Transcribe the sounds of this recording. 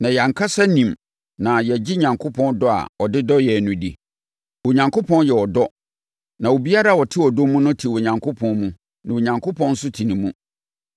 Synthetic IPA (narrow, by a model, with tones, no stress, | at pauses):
nã˨ja˨ŋ̩˨kʰa˦sa˦nĩ˨m | nã˨jɛ˨d͡ʑi˦ɲã˨ŋkʰo˦pʰɔ̃˦ndɔ˦a̰˨ɔ˨dɪ˦dɔ˦jɛ˨nũ˨di˨ | wo˨ɲã˨ŋkʰo˦pʰɔ̃˦njɛ˨wɔ˨dɔ˦ | nã˨wo˨bi˦a˦ɾa˦˨wɔ˨tʰɪ˦wɔ˨do˦mũ˦nʊ̃˦tʰi˨wo˨ɲã˨ŋkʰʊ˦pʰɔ̃˦nmũ˦ | nã˨wo˨ɲã˨ŋkʰʊ˦pʰɔ̃˦n̩˦sʊ˦tʰi˨nĩ˨mũ˦